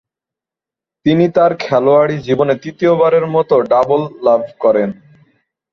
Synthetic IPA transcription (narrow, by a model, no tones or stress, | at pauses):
t̪init̪aɾkʰɛloaɽid͡ʑibonet̪ɾit̪iobaɾeɾmɔt̪oɖabolːabʱkɔɾen